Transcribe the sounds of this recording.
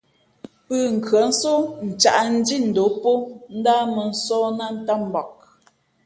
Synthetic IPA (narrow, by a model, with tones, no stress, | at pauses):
pəː˦˨ŋ̩˨kɰa˨˦n̩˦so˦n̩˨t͡ʃa˨ʔn̩˦di˦˨n̩˨do˨˦po˦n̩˦daː˦mə˨n̩˦sɔː˦na˦n̩˨˦ta˦m̩˨bɔ˨k̚